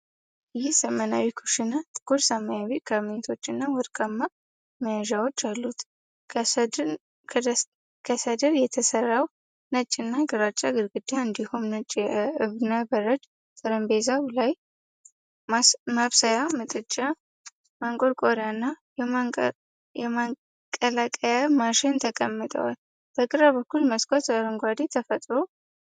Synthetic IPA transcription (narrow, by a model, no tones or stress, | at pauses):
jɪhsəmənawikʰuʃɪnat̪ʼɨɡ̥uɾsamajaβikʰamt̪ʰo̞t͡ʃːɨnːawɔɾkʼamːa | məjaʒawot͡ʃːalːut̪ | kʰəsəd̪əɾjɛt̪ʰəsərːaw | nət͡ʃʼːɪnːaɡɨɾat͡ʃʼːaɡɨɾɡɨd̪aɨnd̪ihumnət͡ʃʼːjɛʔɨβnabəɾət͡ʃ | t̪ʼɨɾəmbezablaj | maβsajamɨt̪ʼɨt͡ʃʼːa | maŋkʼoɾkʼoɾanːa | ɛma | kʼəlakʼəjamaʃɪnt̪ʰəkʼəmːɨt̪ʼə̰wal | b̥əkʼɨɾabəkʰːulməskʼot̪ʼəɾɨŋɡʷad̪et̪ʰəfət̪ʼɾo